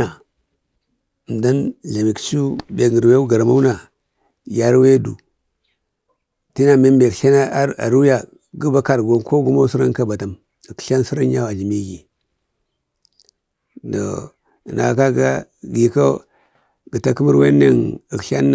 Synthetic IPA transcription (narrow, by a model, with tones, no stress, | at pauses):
a˨ | m˨da˦nɮa˨mi˨kt͡ʃu˦be˨ŋə˨ɾwe˦u˦ɡa˨ɾma˦u˦na˨ | ja˨˦ɾwe˦du˨ | ti˦na˨me˦mbe˨kɬa˦na˦a˦a̰˨ɾu˦ja˦ | ɡu˦ba˦ka˨ɾɡo˨˦nko˦ɡu˦mo˦si˦ɾa˦n˦ka˦ba˨ta˨m˨ | kɬa˦n˦si˦ɾa˦n˦ja˦wa˨d͡ʒi˨mi˦ɡi˨ | do̰˨ | na̰˨ka˦ɡa˦ | ɡi˨ko˦ | ɡə˨ta˦ku˦mu˦ɾwḛ˦nḛ˦ni˨kɬa̰˦n